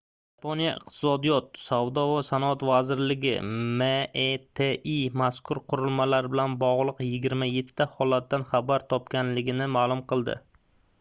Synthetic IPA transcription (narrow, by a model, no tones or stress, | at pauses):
j | apʰonijaʔɪ̰qt̪ʰɪ̥sɒd̪ijɒt̪̚savd̪ɒvasanɒat̪vazɪɾlɪɡʲɪ̰met̪ʰeimaskʰʊɾqʰʊɾɪlmalaɾɪbɪlanbɒʁlˠɨqjɪɡʲɪɾmaje̞t̪ʰːɪːahɒlat̪̚ːanχabaɾt̪ʰɒp̚kʲanlɪɡʲɪnɪmaːlˠʊmqʰɨlˠd̪ɪ̰